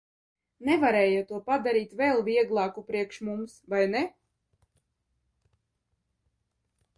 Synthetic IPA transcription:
nɛvaɾɛːjat̪uɔpad̪aɾiːt̪vɛlˠviɛɡlˠɑːkupɾiɛkʃmumsvajnɛ

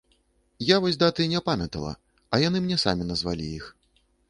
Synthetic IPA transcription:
javɔsʲd̪at̪ɨinʲɛpamʲɛt̪ɐlˠɐ̰ | ɐjanɨmnʲɛsa̰mʲinɐzva̰lʲḭix

